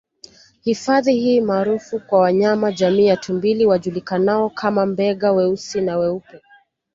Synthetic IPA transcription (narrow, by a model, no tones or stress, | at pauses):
hifaðihiːmaːɾufukwawaɲamaʄamiːatʰumbiliwaʄulikanaɔkʰamambɛɠawɛusinawɛupɛ